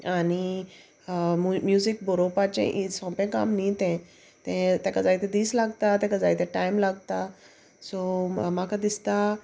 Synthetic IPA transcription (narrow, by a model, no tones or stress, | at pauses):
aɽi | mmjuzikboɾopat͡ɕḛ̃ʔisɔ̃pẽkamnit̪ɛ̃ | t̪ɛ̃t̪ɛ̃kəd͡zajt̪ɛ̃d̪iːslaɡt̪at̪ɛ̃kəd͡zajt̪ʰɛ̃ʈaimlaɡt̪a | somakad̪ist̪a